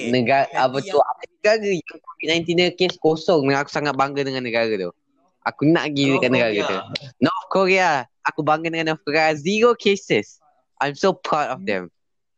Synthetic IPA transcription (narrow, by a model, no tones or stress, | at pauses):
nəɡaʔapət̪ua̰pənəɡaɾəjaŋkovit̚nãj̃nt̪inəkeskosɔŋdəŋaku̥saŋat̪̚baŋɡədəŋãnːəɡaɾət̪ṵ | ʔakuna̰ʔɡiəkaʔ̚nəɡaɾət̪ṵnɔɔfkʰɔɹiaʔakubaŋɡəndəŋãnɔfkɔɹeaziɹokʰesəs | ʔãjmsopʰɹawtɔfd̪ɛ̰̃m